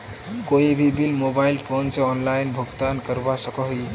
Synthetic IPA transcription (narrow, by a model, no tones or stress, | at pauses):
koibʱibilmobailpʰonsẽɔnlainbʱuɡt̪ankəɾbasəkəɦui